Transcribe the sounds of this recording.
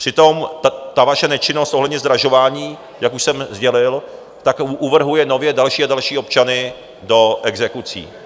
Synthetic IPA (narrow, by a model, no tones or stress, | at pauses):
pr̥ɪt̪o̞mt̪avaʃɛnɛt͡ʃɪnost̪ʔoɦlɛdɲɛzd̪ɾaʒo̞vaːɲiː | jakuʃsɛmzɟɛlɪl | t̪akʔuvr̩ɦujɛno̞vjɛdalʃiːadalʃiːo̞pt͡ʃanɪ | do̞ʔɛɡzɛkut͡sḭː